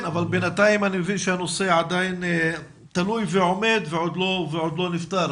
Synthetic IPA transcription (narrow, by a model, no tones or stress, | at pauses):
navalbenat̪aimanimevinʃeano̞seʕad̪ajn | t̪alujveʕo̞me̞d̪veʕo̞d̪lo̞veʕo̞d̪lo̞nift̪aɾ